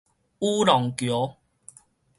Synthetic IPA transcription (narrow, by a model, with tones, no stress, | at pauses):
uː˦lɔ˨˩ŋkjɔ˨˦